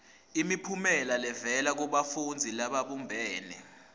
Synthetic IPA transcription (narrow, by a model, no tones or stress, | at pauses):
imipʰumɛlalɛvɛlak̬uɓafund͡zʱilaɓaɓumbʱɛːnɛ̰